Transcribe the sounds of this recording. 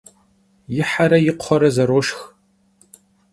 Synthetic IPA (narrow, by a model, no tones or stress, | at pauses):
jɪħaɾɐjɪqʷχɔɾɐzɐɾoːʃx